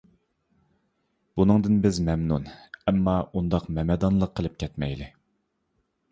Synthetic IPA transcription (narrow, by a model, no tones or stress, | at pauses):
b̥unɨŋd̪ɨnbɪzmɛmnunɛmːɑund̪ɑqmɛmɛd̪ɑnlˠəqʰːəlˠɨp̚kʲʰɛt̪mɛ̰jlɪ